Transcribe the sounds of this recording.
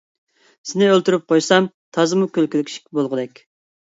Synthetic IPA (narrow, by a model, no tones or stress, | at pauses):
sɪnɪølt̪yɾyp̚qʰojsɑm | t̪ʰɑzɨmukʲølkʲylkʲi̥ʃi̥kʲʰːibolˠʁəd̪ɛkʲ